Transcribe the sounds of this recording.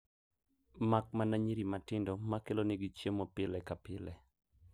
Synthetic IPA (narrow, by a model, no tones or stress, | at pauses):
mak̚manaɲiɾimatɪndomakelonɪɡit͡ʃjemopɪlɛkapɪlɛ